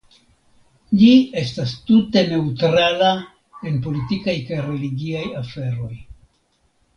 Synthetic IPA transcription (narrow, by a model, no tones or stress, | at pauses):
d͡ʒie̞stastute̞ne̞utɾala | e̞npo̞litikajkajɾe̞liɡiajafe̞ɾo̞j